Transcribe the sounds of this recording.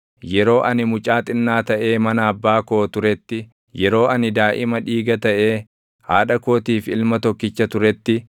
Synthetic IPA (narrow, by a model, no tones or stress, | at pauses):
jɛɾo̞ːʔɐnɪmʊt͡ʃʼaːt̪ʼɪnːaːt̪ɐʔe̞ːmɐnɐːbːaːko̞ːt̪ʊɾɛt̪ːɪ | jɛɾo̞ːʔɐnɪd̪aːʔɪmɐᶑiːɡɐt̪ɐʔe̞ː | haːᶑɐko̞ːt̪iːfɪlmɐt̪ɔkːɪt͡ʃːɐt̪ʊɾɛt̪ːɪ